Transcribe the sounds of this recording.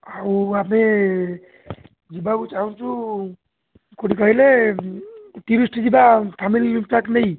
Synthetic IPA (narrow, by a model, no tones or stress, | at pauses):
awame | d͡ʒibakut͡ʃaɦũnt͡ʃʰu | koɽikɔɦile | ʈiɾisʈd͡ʒibapʰamilimpakʈnei